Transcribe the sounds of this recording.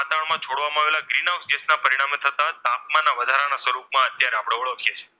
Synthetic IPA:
at̪aɳmãt͡ʃʰoɽʋamãaʋelaɡɾinawksd͡ʒesnapəɾiɽ̃amet̪ʰət̪at̪ap̚mãnːaʋəd̪ʱaɾanasəɾupmãət̪jaɾeapɽ̃eʋəɭok̪ʰijet͡ʃʰe̥

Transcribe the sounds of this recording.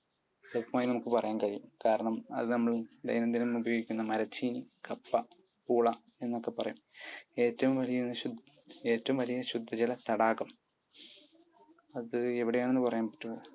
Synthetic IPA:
lokːɐmaːjinɐmukːɨpɐrɐjaːnkɐɻijumkaːɾɐɳɐmɐ̰ðɨnɐmːɐɭd̪ɐ̰jnɐnd̪inumubɐjoɡikʲːunːɐmɐɾɐt͡ɕːinikɐpːɐ | puːɭɐ | e̞nːo̞kːe̞pːɐrɐjume̞ːtːɐʋumʋɐlijɐnːɨɕu | e̞ːtːɐʋumʋɐlijɐɕud̪ʱːɐt͡ɕɐlɐt̪ɐɽaːɣɐm | ɐðɨe̞ʋiɽejaːɳenːɨpɐrɐjaːnpɐ̥tːuoː

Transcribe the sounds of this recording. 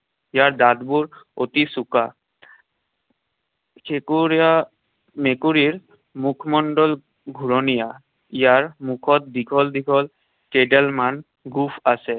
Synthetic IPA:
ijaɹd̪ad̪buɹot̪isuka | kʰekuɹija | mekuɹiɹ | mukʰmɔɳɖɔl | ɡʱuɹɔnija | ijaɹmukʰɔt̪̚d̪ikʰɔld̪iɡʰʱɔl | keɖɛlman | ɡupʰasɛ

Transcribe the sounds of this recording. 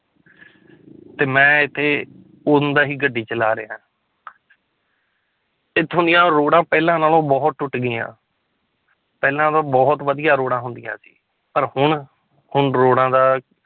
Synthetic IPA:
t̪eːmɛ̃ːɪt̪ʰːeː | ʊnd̪aːɦiːɡəɖːiːt͡ʃəlaːɾeːãː | ɪt̪ʰːɦʊ̃nd̪ijãːɾoːɽãːpɛːlãːnaːlõːbɔːt̪̚ʈʊʈɡɪjã̰ː | pɛːlãːd̪ãːbɔːt̪ʋəd̪ɪjaːɾoːɽãːɦʊnd̪ɪjã̰ːsi̥̰ː | pəɾhʊɳ | hʊɳɾoːɽãːd̪aː

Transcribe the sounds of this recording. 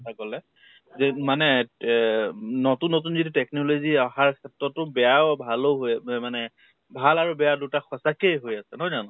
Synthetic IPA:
sʰakɔlɛ | zɛmanɛ | notunːotunzitutɛknoloziaxaɹkʰɛtɹɔtʊbɛjabʱaloɦojmanɛ | bʱalaɹubɛjadutaxʰɔsakejɦojasɛnɔzanɔ

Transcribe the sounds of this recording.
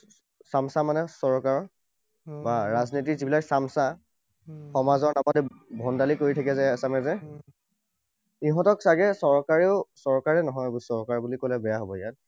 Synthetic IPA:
samsamanɛsɔɹkaɹɔ | baɹaznitizibilaksamsa | xɔmazɔɹnamɔdɛbʱɔndalikoɹitʰakɛzɛasamɛzɛ | iɦɔ̃tɔksaɡɛsɔɹkaɹiʊsɔɹkaɹɛnɔɦɔjbusɔɹkaɹbulikɔlɛbɛjaɦobɔjat̚

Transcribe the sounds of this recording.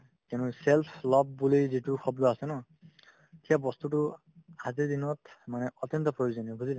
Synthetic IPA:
kɛ̃nuselpʰlɔbːulojzituxɔbdɔasɛnɔ | etʰijabɔst̪utu | azid̪inɔtmanɛɔt̪jɔnt̪ɔpɹɔjuzɔniɔbʱuzilɛ

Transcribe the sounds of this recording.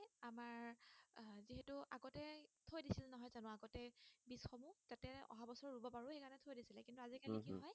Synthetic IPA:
amaɹ | ziɦɛtuʔaɡɔtɛtʰojdisilɛnɔɦɔjzanʊ̃aɡɔtɛbisxɔmutatɛɔ̰ɦabɔsɔɹɹubɔpaɹʊxekanɛtʰojdisilɛkintuazikalikinɦɔj

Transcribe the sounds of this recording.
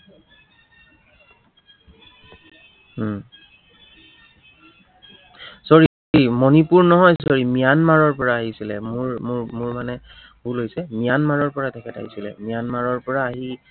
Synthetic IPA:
sɔɹi | imɔnipuɹnɔɦɔjs̬ɔɹimijanmaɹɔɹpɔɹaːɦisilɛ̰muɹmʊɹmanɛ | bulojsɛmijanmaɹɔɹpɔɹadʰɛkʰɛta̰ɦisilɛ̰mijanmaɹɔɹpɔɹaːɦi

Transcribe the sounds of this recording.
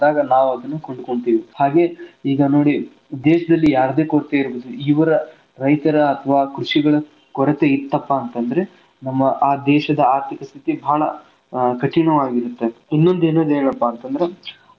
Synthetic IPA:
aːɡɐnaːʋuɐd̪ɐnːukoɳɖuko̞ɳt̪iːʋihaːɡe̞iːɡɐno̞ːɽi | d̪ɛːʃɐd̪ɐlːijaːɾɐd̪e̞ːkoɽt̪eiɾboːd̪uiːʋɐɾɐ | ɾɐjt̪ɐɾɐːt̪ʰɐʋaːkɾuʂiɡɐɭɐ | kɔɽɐt̪eit̪ːɐpːaːnt̪ɐnd̪ɐɾe | nɐmːɐʔaːd̪ɛːʃɐd̪ɐaːɾt̪ʰikɐst̪ʰit̪ibʱaːɭɐ̰ | kɐʈiɳɐʋaːɡiɾut̪ːe̞inːo̞nd̪e̞ːnoːd̪eːɭɐpːɐːnt̪ɐnd̪ɐɾe

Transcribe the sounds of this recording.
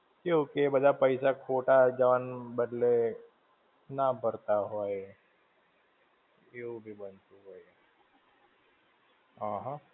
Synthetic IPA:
keokebəd̪apəɪsakʰoːʈad͡ʒəʋanbəd̪le | nabəɾt̪aɦoe | eubʱibənt̪uɦoe | ɦãɦã

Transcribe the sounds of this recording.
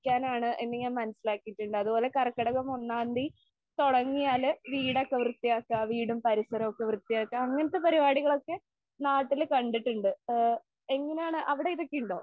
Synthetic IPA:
kʲːaːnaːɳɨʔenːeɲaːnmɐnɐsilaːkːijiʈːuɳɖɨɐðubo̞ːle̞kɐrɐkːɐɽɐɣɐmunːaːnd̪i | t̪oɽɐŋːijaːlɨʋiːɽokːeʋrɨt̪ːijaːkːaʋiːɽumpɐɾisɐɾɐmokːeʋrɨt̪ːijaːkːɐɐŋːɐnɐt̪ːepɐɾibaːɽiɣɐɭo̞kːe̞ | naːʈːilkɐɳɖiʈːuɳɖɨ | eŋːɐneaːɳɨʔɐʋiɽe̞iðɐkːijuɳɖoː

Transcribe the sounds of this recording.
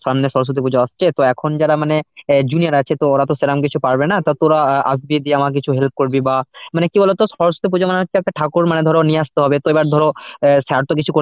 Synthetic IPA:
sɔamneʃɔɾos̬kɾut̪ʰipud͡ʑaast͡ɕʰet̪oɛkʰond͡ʑaɾamaned͡ʑunijaɾat͡ɕʰet̪ooɾat̪oselamk̬it͡ɕʰupaɾbenat̪at̪oɾaa̰sbied̪ieamak̬it͡ɕʰuɦelp̚koɾbibamanekibɔlet̪osɔɾosɾut̪ip̬ud͡ʑamaneɦotːɕʰeɛkʈaʈʰakuɾmaned̪ʱɔɾonieast̪oɦɔbet̪oebaɾd̪ʱɔɾosɛɾt̪ok̬it͡ɕʰuko

